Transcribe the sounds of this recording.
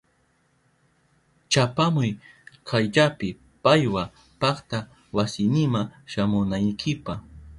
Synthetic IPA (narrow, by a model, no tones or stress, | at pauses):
t͡ʃapamʊjkʰajʎapɪ | pajwa | pɑχt̪a | wasɪnɪmaʃamʊnajkʰɪpɑχ